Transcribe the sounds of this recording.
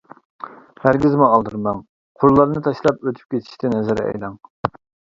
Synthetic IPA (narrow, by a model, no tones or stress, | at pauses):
hæɾɡʲizmuɑlˠd̪ɨɾmɑŋ | qʰollːˠɑɾnɨt̪ʰɑʃlˠɑpøt̪ʰy̥p̚kʲet̪ʰi̥ʃt̪ɪnɛzɪɾɛɛ̰jlɑŋ